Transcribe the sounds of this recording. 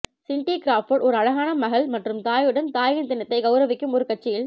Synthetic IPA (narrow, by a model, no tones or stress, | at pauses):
sɪɳʈikɪɾaːfoɽɔɾɯɐɻɐɣaːnɐmɐɣɐɭmɐʈrɯmt̪aːjɯɽɐnt̪aːjɪnt̪ɪnɐt̪ːɐɪɡɐʊɾɐʋɪkːɯmɔɾɯkɐʈ̚t͡ʃːɪjɪl